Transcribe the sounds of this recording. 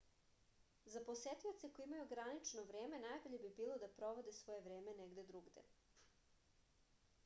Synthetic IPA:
zapo̞set̪iot̪se̞kojeimajuɡɾanit͡ʃnoʋɾeːme̞najbo̞ʎe̞bibiːlˠo̞d̪apɾo̞ʋo̞d̪esʋo̞jeʋɾeːme̞neɡd̪ed̪ɾuɡd̪ḛ

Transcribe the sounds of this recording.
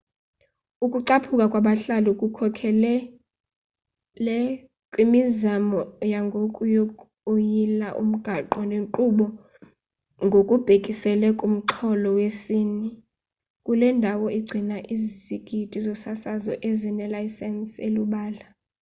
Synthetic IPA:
ukʼuǀapʰukʼakʼwaɓaɬaluukʼukʰɔkʰɛlɛ | lɛ | kʼwimizamɔjaŋɡʱokʼujokʼ | ojilaʔṵm̩ɡ̥ʱaǃɔneŋǃuɓɔ | ŋɡʱokʼub̥ʱekʼisɛlɛkʼum̩ǃʰɔlɔwesiːni | kʼulɛndʱawɔiɡ͡ǀʱinaʔizziɡ̥ʱitʼizɔsasazɔʔɛzinɛlaisɛnseluɓaːla

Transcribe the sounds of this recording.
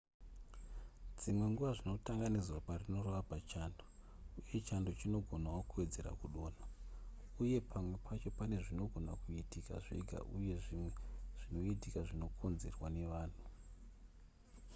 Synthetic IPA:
d͡zimwe̞ŋɡuʋaʐino̞taŋɡanid͡zwaparino̞roʋapat͡ʃaːndo | uje̞t͡ʃando̞t͡ʃino̞ɡʱo̞nawokue̞d͡ze̞ra̰kuɗo̞ːna | uje̞pʰamwe̞pʰat͡ʃo̞pane̞ʐino̞ɡʱo̞na̰kuitika̰ʐḭɡʱa̰ʔuje̞ʐimweʐ̥ino̞itikaʐino̞kʰo̞nze̞̰rwane̞ʋaːn̤u

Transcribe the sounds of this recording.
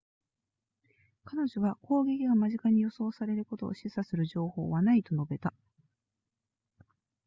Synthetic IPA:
kano̞ʑo̞βako̞ːɡʲekʲiɡamaʑikaɲ̟ijo̞so̞ːsaɾe̞ɾɯ̟ko̞t̪o̞̰ːɕisasɨɾɯ̟ʑo̞ːho̞̰ːβanait̪o̞no̞be̞t̪a

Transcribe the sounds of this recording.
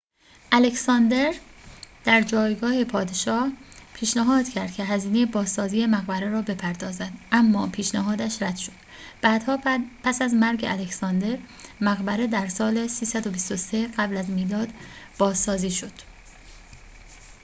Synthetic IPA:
ʔælecsɒnd̪e̞ɾd̪̥æɾd͡ʒɒːjɡɒːhepʰɒːd̪eʃɒːhpʰiːʃnæɦɒːd̪̥cʰæɾd̪̚cʰe̞ɦæziːne̞jebɒːzsɒːziːjemæɣbæɾeɾɒːbe̞pʰæɾd̪ɒːzæd̪ʔæmːɒːpʰiːʃnæɦɒːd̪æʃɾæd̪̥ʃod̪̥ | b̥æːd̪hɒːpʰæsæzmæɾɡeʔælecsɒːnd̪e̞ɾ | mæɣbæɾe̞d̪æɾsɒːlesiːsæd̪o̞bist̪o̞se̞ɢæblæzmiːlɒːd̪b̥ɒːzːɒːziːʃo̞d̪̥

